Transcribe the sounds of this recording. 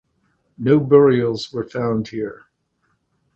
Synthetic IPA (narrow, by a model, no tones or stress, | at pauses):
noʊbɜɹil̩ˠzwə˞fãʊ̃nd̚hiɹ